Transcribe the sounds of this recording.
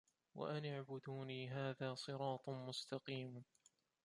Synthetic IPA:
wa̰ʔanaʕbʊd̪uːniːɦaːðaːsˤɨɾɑːt̪ˤmʊst̪ɑqiːm

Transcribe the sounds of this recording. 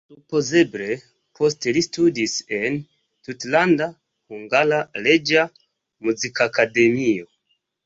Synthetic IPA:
supo̞ze̞ble̞ | pʰo̞stelistudise̞n | tutlanda | huŋɡalale̞d͡ʒa | muzikakade̞mio̞

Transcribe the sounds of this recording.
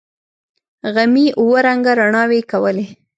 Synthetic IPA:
ɣamiʔuwəɾaŋɡaɾaɳɑwekawəle

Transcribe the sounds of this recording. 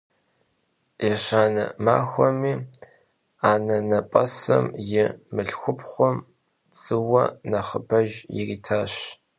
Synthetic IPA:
ɛɕaːnɐ̰ma̰ːxʷɔmiː | aːnɐnɐpʼɐsɐ̰mjɪmɨɬxʷʊpχʷʊm | t͡sʼɨwɐnɐχəbɐʒjɪ̰riːtʰaːɕ

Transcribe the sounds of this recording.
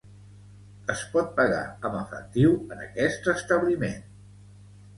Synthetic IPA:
əspɔt̪̚pəɣa̰əməfə̰k̚t̪iwənə̰kɛst̪əst̪əβlimḛn

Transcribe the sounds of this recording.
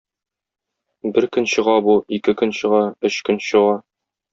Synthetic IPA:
bɘɾkɵ̆nɕɤ̆ʁɑbuikɘkɵ̆nɕɤ̆ʁɑɵɕkɵnɕɤ̆ʁɑ

